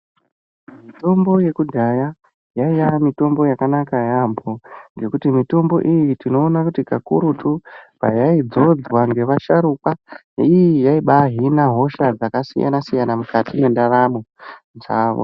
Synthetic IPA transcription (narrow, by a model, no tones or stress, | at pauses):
mito̞mbo̞je̞kudʱaja | jaijamito̞mbo̞jakanakajampo̞ŋɡe̞kutimito̞mbo̞̰ʔijitino̞ːnakutikakṵɾutʰupa̰jaid͡zo̞d͡zwaŋɡe̞ʋaʃaɾuka | ijijaiɓaɦinaɦo̞ʃad͡zakasija̰nasijanamukatije̞ndaɾamo | nʐaːʋo̰